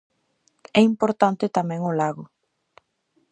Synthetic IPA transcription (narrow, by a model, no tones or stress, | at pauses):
ɛimpoɾt̪ant̪ɪt̪amɛ̃ŋolaɣʊ